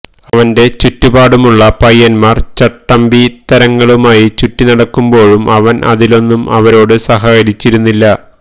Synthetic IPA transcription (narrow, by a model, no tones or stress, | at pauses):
ɐʋɐnde̞t͡ɕutːubaːɽumuɭːɐpɐjːɐnmaːrt͡ɕɐʈːɐmbit̪ɐɾɐŋːɐɭumaːjit͡ɕutːinɐɽɐkːumbo̞ːɻumɐʋɐnʔɐ̰ðilo̞nːumɐ̰ʋɐɾo̞ːɽɨsɐɦaːjɐɾit͡ɕːiɾunːilːɐ